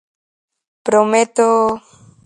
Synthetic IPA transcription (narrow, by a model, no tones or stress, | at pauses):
pɾomet̪o